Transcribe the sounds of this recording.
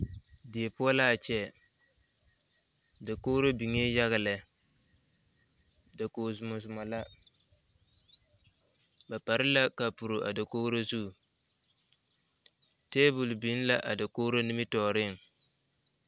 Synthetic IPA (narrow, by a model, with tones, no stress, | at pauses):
dɪ˨e˨pʊ˦ɔ˦la˦a˨t͡ʃɛ˨ | da˨ko˦ɾo˦bi˨ŋe˦ja˦ɣɪ˨lɪ˨ | da˨koː˨zʊ˨mʊ˨sʊ˨ma˨la˦ | ba˨pa˨ɾɪ˦la˦ka˨pu˨ɾʊ˨ʔa̰˨da˨ko˦ɾo˦zu˦˨ | teː˦bʊ˨lbi˨˦n˦la˦ʔa˨da˨ko˦ɾo˦nɪ˦mɪ˦tɔː˨ɾɪ˦˨ŋ